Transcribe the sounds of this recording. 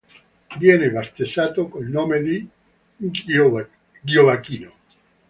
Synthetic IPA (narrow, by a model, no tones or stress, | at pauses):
vjɛːnebast̪esaːt̪okoilnoːmed̪i | ɡjovakiːno